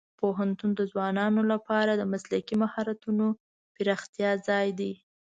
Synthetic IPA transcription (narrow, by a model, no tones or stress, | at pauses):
poɦant̪und̪əzwɑnɑnolapɑɾad̪əmaslakimahɑɾat̪uno | pɪɾɑxt̪jɑzɑjd̪i